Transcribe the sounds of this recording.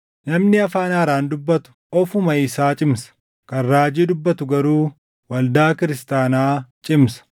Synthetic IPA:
nɐmnɪɐfaːnaːɾaːnd̪ʊbːɐt̪ʊ̥ | ɔfʊmɐɪsaːt͡ʃʼɪmsɐ̥ | kɐnɾaːd͡ʒiːd̪ʊbːɐt̪ʊɡɐɾuː | wɐld̪aːkɪɾɪst̪aːnaːt͡ʃʼɪmsɐ̥

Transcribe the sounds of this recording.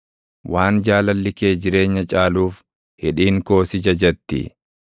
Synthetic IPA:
wʔaːnd͡ʒaːlɐlːɪke̞ːd͡ʒɪɾe̞ːɲːɐt͡ʃʼaːluːf | hɪᶑiːŋko̞ːsɪd͡ʒɐd͡ʒɐt̪ːɪ̰

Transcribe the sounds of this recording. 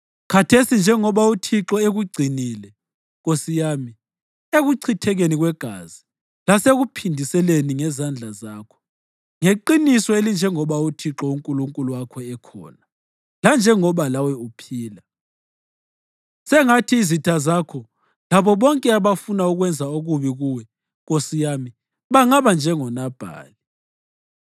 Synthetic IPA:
kʰatʰesind͡ʒʱɛŋɔβautʰiǁɔeɣuɡ͡ǀʱiniːlɛ | ɣosijaːmi | eɣuǀʰitʰɛɣeniɣwɛɡ̥ʱa̰zi | laseɣupʰindʱisɛleniŋɛzand͡ɮʱazaːkʰɔ̥ | ŋeǃinisɔelind͡ʒʱɛŋɔβautʰiǁɔuŋkʼuluŋkʼuluwakʰɔɛkʰɔ̰ːna | land͡ʒʱɛŋɔβalawɛupʰiːla | sɛŋatʰiːzitʰazakʰɔ | laβɔβɔŋkʼɛaβafunauɣwɛnd͡zʱaoɣuβiɣuwɛ | ɣosijami | βaŋaβand͡ʒʱɛŋɔnab̥ʱa̰ːli

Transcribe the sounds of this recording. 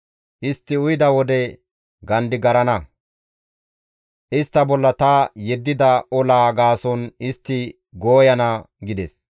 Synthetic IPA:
ʔɪst̪ːɪʊjd̪ɐwɔd̪ɛ | ɡɐnd̪ɪɡɐɾɐnɐ | ʔɪst̪ːɐbɔlːɐt̪ɐjɛd̪ːɪd̪ɐɔlaːɡaːsɔnɪst̪ːɪ | ɡoːjɐnɐɡɪd̪ɛs

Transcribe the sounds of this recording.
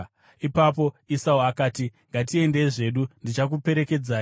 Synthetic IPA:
ipapo̞isauakaːtiŋɡat̬ie̞ndeʐe̞ɗundit͡ʃak̬upe̞ɾe̞ke̞d͡zaː

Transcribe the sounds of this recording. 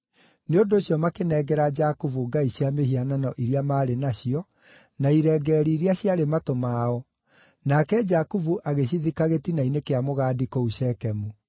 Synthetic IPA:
neondoːɕjɔmakenɛɡɛɾad͡ʒakuvuɡaiɕjamehiananɔʔiɾiamaːɾenaɕiɔ | naiɾɛɡɛːɾiːɾiaɕjaɾematomaːɔ | nakɛd͡ʒakuvuʔaɣeɕiðikaɣetinainekeamoɣaːdikouɕɛkɛmu

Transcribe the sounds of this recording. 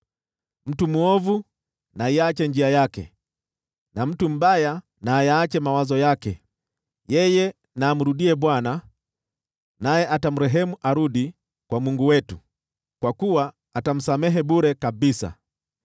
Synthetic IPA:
m̩tumuɔvu | naiat͡ʃɛnd͡ʒiajakɛ̰ | nam̩tum̩ɓaja | naːjaːt͡ʃɛmawazɔjakɛ | jɛjɛ | naːm̩ɾuɗiɛɓwana | najɛʔatamuɾɛɦɛmuʔaɾuɗi | kwamuŋɡuwɛtu | kwakuwaː | tam̩samɛɦɛɓuɾɛkaɓisa̰

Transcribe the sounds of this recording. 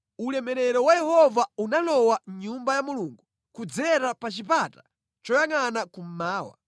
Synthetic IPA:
ulɛmɛɾɛɾɔwajɛhɔvaunalɔwaɲumbajamuluŋɡu | kud͡zɛɾapat͡ʃipatḁ | t͡ʃɔjaŋanakum̩maːwa̰

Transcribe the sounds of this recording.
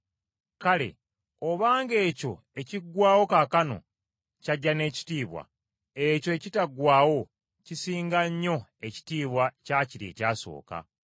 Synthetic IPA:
kale̞̰ | oβaːŋɡe̞ːco̞ | e̞ciɡwaːwo̞kakano̞̰ | caɟːane̞ːci̥tiːβwa̰ | eco̞ecitaɡwaːwo̞ | cisiːŋɡaɲːo̞e̞ci̥tiːβwacaːciɾḛːcaːso̞̰ːka̰

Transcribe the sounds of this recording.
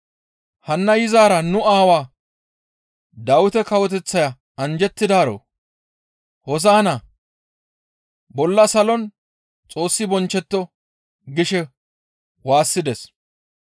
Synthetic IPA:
hɐnːɐjɪzaːɾɐnʊaːwaː | d̪ɐwʊt̪ɛkɐwɔt̪ɛt͡sːɐjɐ | ɐnd͡ʒɛt̪ːɪd̪aːɾo̰ː | hɔzaːnɐ | bɔlːɐsɐlɔn | t͡sʼo̞ːsːɪbɔnt͡ʃːɛt̪ːɔ | ɡɪʃɛ | waːsːɪd̪ɛs

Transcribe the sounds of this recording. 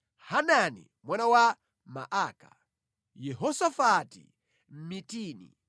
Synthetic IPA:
hananḭ | mwanawa | ma̰ʔaːka | jɛɦɔsafatḭ | m̩mitiːnḭ

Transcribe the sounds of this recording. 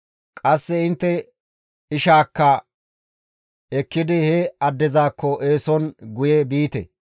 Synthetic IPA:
kʼɐsːɛɪnt̪ːɛ | ɪʃaːkːɐ | ɛkːɪd̪ɪhɛɐd̪ːɛzaːkːɔʔeːsɔnɡʊjebiːt̪ɛ̰

